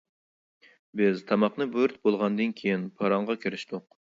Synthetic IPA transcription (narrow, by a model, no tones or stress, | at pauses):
bɪzt̪ʰɑmɑqnɨbøɾt̪̚bolˠʁɑnd̪ɨnkʲʰejinpʰɑɾɑɴʁɑkʲʰiɾɪʃt̪ʊq̚